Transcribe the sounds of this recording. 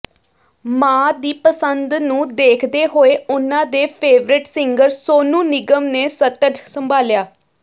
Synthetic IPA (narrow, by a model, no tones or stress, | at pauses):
mãːd̪iːpəsənd̪nũːd̪eːkʰd̪eːɦoːeːʊnãːd̪eːpʰeːʋɾɪʈsɪŋɡəɾsoːnũːnɪɡəmneːsət̪əd͡ʒsəmbʱaːljaː